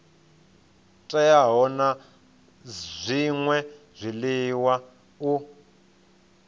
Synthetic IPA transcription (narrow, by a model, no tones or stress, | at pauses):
tʼajaɦɔna | zʷiŋwɛ | zʷiliwa | u